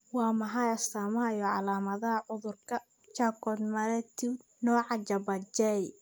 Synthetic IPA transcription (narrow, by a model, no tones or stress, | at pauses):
wɑːmɐħɑjɐst̪amɐjɔʕɑlaːmɐðɐɦɐʕʊðʊrkʰɐ | t͡ʃaːkɔd̪mɐɾɛt̪ʰi | nɔːʕɑt͡ʃɐbɐt͡ʃɛj